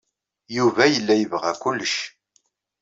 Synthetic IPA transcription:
juvæjəlːæjəvʁæ̰kʊlːəʃ

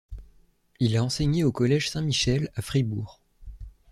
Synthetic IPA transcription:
ilaɑ̃seɲeokɔlɛʒsɛ̃miʃɛlafχibuːʁ

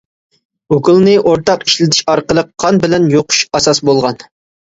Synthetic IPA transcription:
okulˠnɨʔoɾt̪ɑqiʃlɪd̪ʰɪʃɑɾqəlˠəqʰːɑnbɪlɛnjoqʰu̥ʃɑsɑsbolˠʁɑn

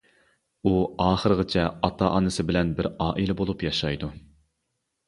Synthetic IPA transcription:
uɑːχəɾɨʁɨt͡ʃʰɛɑt̪ʰɑʔɑnɨsɨbɪlɛnbɪɾɑːʔilɛbolˠupjɑʃɑjd̪u

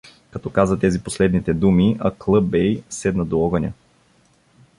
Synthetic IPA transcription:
kɐt̪ɔkazət̪ɛziposlɛd̪nit̪ɛd̪umiʔɐklˠɤbɛjsɛd̪nɐd̪oɔɡənʲɐ̰

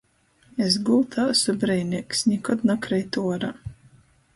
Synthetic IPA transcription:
es̬ɡult̪ʰaːsɔbɾɛjnʲiksnʲɛkɔd̪nakɾɛjt̪uɔɾa

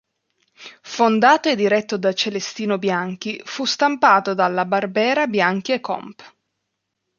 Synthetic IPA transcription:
fond̪aːt̪oed̪iɾɛt̪ːod̪at͡ʃelest̪iːnobjaŋk̟ifust̪ampaːt̪od̪alːabarbɛːɾabjaŋkiekːɔ̰mp

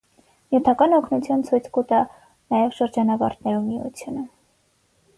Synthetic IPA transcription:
jjut̪ʰɑkɑnɔkʰnut͡sʰjunt͡sʰujt͡sʰkut̪ɑ | nɑjɛvʃəɾd͡ʒɑnɑvɑ̰ɾt̪nɛɾumiṵt͡sʰjunə

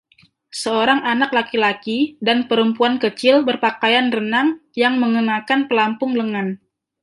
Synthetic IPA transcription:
səoɾaŋanak̚lakilakidanpəɾəmpuankət͡ʃɪlbərpakajanrənaŋjaŋməŋənakanpəlampʊŋləŋan

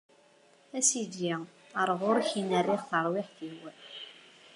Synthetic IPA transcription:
æsid̪ji | əɾˤʁʊɾˤçinərːiʁθəɾˤwɪħθiwæn

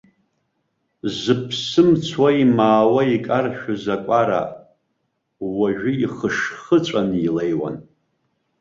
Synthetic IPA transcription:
zɨpʰsɨmt͡sʰwaimaːwaikʼarʃᶣʊzakʷʼaɾa̰ | waʒᶣʊiχəʂχət͡sʷʼanilejwa̰n

